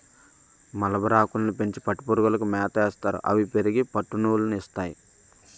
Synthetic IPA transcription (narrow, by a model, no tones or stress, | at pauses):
mɐlɐbɐɾaːkulɐnipe̞ɲt͡ʃi̥pɐʈːipuɾɡɐlɐkumɛːt̪ɐɛːst̪aːɾṵʔɐ̰ʋipe̞ɾiɡipɐʈːunuːlɐnist̪aːjḭ